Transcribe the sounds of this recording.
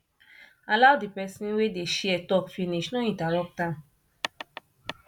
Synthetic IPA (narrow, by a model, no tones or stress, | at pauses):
aladipɛsĩnwedeʃeɛtɔpfiniʃnɔ̃ĩtaɾɔk̚ta